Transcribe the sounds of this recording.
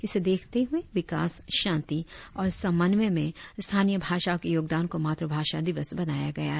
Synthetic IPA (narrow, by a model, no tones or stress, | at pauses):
ɪsed̪eːkʰt̪eɦʊeʋɪkaːsʃãːnt̪iɔːɾsɐ̃mːənʋəmẽst̪ʰaːnijəbʱaːʃakejoːɡd̪aːnkomaːt̪ɾəbʱaːʃad̪ɪʋəsbɐnaːjaɡɐjaɦɛ